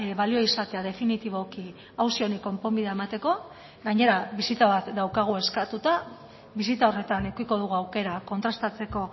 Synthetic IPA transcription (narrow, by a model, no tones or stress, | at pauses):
βalio̞isat̪e̞að̞e̞finit̪iβ̞o̞ki | awsioniko̞mpo̞mbiðaemat̪e̞ko̞ | ɡaɲe̞ɾaβisit̪aβat̪d̪awkaɣ̞ue̞skat̪ut̪a | βisit̪ao̞re̞t̪anekuiko̞ð̞uɣuawke̞ɾako̞nt̪ɾast̪at͡se̞ko̞